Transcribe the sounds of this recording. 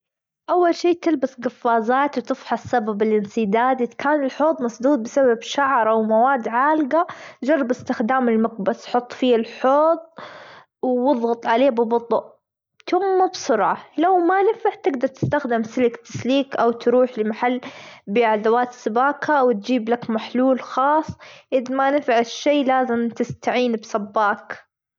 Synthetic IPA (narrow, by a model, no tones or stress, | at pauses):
ʔawːalʃiːt̪ɪlbasɡɑfːaːzaːt̪wt̪ɪfħasːababɪlʔɪnsɪd̪aːd̪ɪkaːnɪlħoːt̪ˤmɑsˤd̪uːd̪̚bɪsababʃaʕɾˤʔawmawaːd̪ʕaːlɡad͡ʒɑrˤːɑbɪst̪ɪxd̪aːmɪlmaq̚basħʊt̪ˤːfiːɪlħoːt̪ˤ | wːɪðˤɣʊt̪ˤʕaleːbɪbʊt̪ˤʊʔ | t̪ʊmːabsʊɾʕalawmanɪfaʕt̪ɪɡd̪ɑɾˤt̪ɪ̥st̪axd̪ɪmsɪlɪkt̪ɪ̥sliːkʔawt̪ɾuːħlɪmaħalːbɪʕad̪awaːt̪sɪbaːkhawɪt̪̚d͡ʒiːblakmaħluːlxɑːsˤːʔɪðmanɪfʕaʃːeːlaːzɪmt̪ɪst̪aʕiːnbsabːaːk